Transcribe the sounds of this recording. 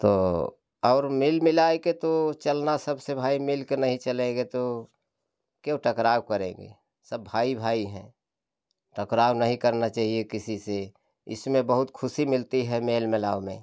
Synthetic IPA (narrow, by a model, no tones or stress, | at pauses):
t̪o̰ː | ɔːɾmɪlmɪlaːeket̪ot͡ʃəlnasəbsebʱaːimɪlkenɐɦĩt͡ʃəlẽɡet̪o | kjõʈəkɾaːwkəɾḛ̃ːɡḛ | səbːʱaːibʱaːiɦɛ̰̃ː | ʈəkɾaːwnɐɦĩkəɾnat͡ʃaːɦiekɪsise | ɪ̰smẽbəɦʊt̪kʰʊsimɪlt̪iɦɛmeːlmɪlaːomḛ̃